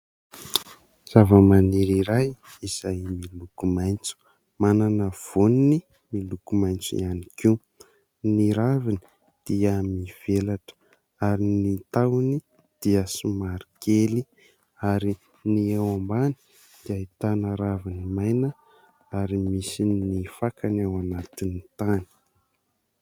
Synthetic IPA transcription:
z̥avəmaniɾiɾajiz̥ajmilukumajnt͡su̥ | mananəv̥onini | milukumajnt͡sḭaniki | niɾavini̥ | d̪̥iəmiv̥elaʈ͡ʂə̥ | aɾinit̪awni | d̪̥iəsumaɾikeli | aɾi | niewambani̥ | d̪̥iait̪anəɾavinimajnə | aɾimisinifakanewanat̪init̪ani̥

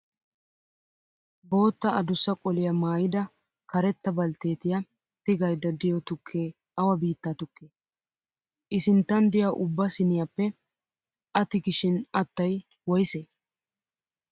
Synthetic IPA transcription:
bo̞ːt̪ːɐɐd̪ʊsːɐkʼɔlɪjɐmaːjɪd̪ɐ | kɐɾɛt̪ːɐbɐlt̪e̞ːt̪ɪjɐ | t̪ɪɡɐjd̪ɐd̪ɪjɔt̪ʊkʰːeː | ʔɐwɐbiːt̪ːɐt̪ʊkːeː | ʔɪsɪnt̪ːɐnd̪ɪjaʔʊbːɐsɪnɪjɐpːɛ | ʔɐt̪ɪɡɪʃɪnɐt̪ːɐj | wɔjɪseː

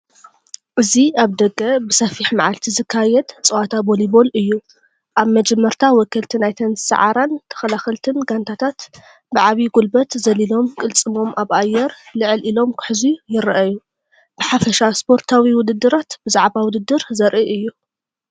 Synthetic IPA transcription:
ʔɨziaβd̪ɐɡɐbɨsɐfiħmaʕalt̪ʰizɨkʰːajɛd̪t͡sʼɨwat̪ʰabolibo̞lɨjːu | ʔaβmɐd͡ʒɛmːɐɾt̪ʰawɔkʰːɐlt̪ʰinajt̪ʰɐnzsa̰ʕa̰ɾant̪ʰɐ̥xɐlaxɐlt̪ʰɨnɡant̪ʰat̪ʰat̪ | bɨʕaβiɡulbɐt̪zɐlilo̞mkʼɨlt͡sʼɨmo̞mʔaβʔajːɛɾlɨʕɨlʔilo̞mkʰɨ̥ħzujɪɾʔaju | b̥ɨħafɐʃaspʰo̞ɾt̪ʰawiwʊd̪ɨd̪ːɨɾat̪bɨzaʕβawʊd̪ɨd̪ːɨɾzɐɾʔiʔɨjːu

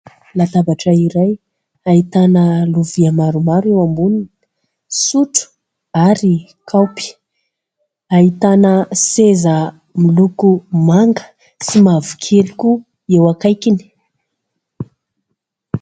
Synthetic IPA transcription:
lat̪abaʈ͡ʂəiɾaj | aɦit̪anəluviamaɾumaɾuewambuni | suʈ͡ʂu̥ | aɾi | kʰawpi̥ | ait̪anəsezə | milukumaŋɡə̥ | simavu̥kʰeliku | ewakajkini̥

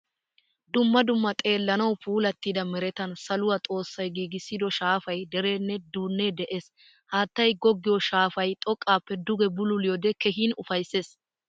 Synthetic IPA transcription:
d̪ʊmːɐd̪ʊmːɐt̪ʼe̞ːlːɐnɐwpʰuːlɐt̪ːiːd̪ɐmɛɾɛt̪ɐnsɐlʊwɐt̪ʼo̞ːsːɐjɡiːɡɪsːɪd̪ɔʃaːfɐjd̪ɛɾe̞ːnːɛd̪uːnːɛd̪ɛʔe̞ːs | haːt̪ːɐjɡɔɡːɪjɔʃaːfɐjt̪ʼɔkʼːaːpːɛd̪ʊɡɛbʊlʊlɪjod̪ɛkɛɦiːnʊfɐjsːe̞ːs

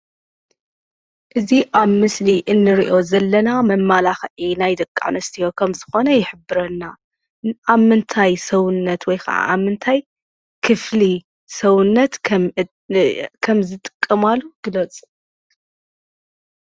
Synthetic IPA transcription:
ʔɨziʔaβmɨsliʔɨnːɨɾiʔo̞zɐlːɐnamɐmːalaxʔinajd̪ɨkʼːa̰nɐst̪ʰijo̞kʰɐmzɨxo̞nɐjɪħɨbːɨɾɐnːa | aβmɨnt̪ʰajsɐwʊnːɐt̪wɔjxʰa̰ʕa̰ʔamːɨnt̪ʰaj | kʰɨfli | sɐwʊnːɐt̪ | kʰɐmzɨt̪ʼɨ̥kʼːɐmalːuɡ̥ɨlɐt͡sʼ

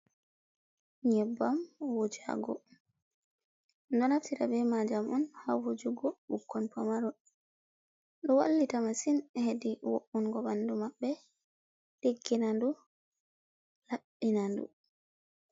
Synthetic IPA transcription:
ɲɛbːamwod͡ʒa̰ɡɔ̰ | ndɔnaftiɾa̰bɛmad͡ʒamɔnhawhod͡ʒuɡɔɓukːɔnpamaɾɔ | ɗɔwalːitamasinhediwoʔunɡɔbanːdumaɓːɛ | ɗeɡːinandu | laɓːinandṵ

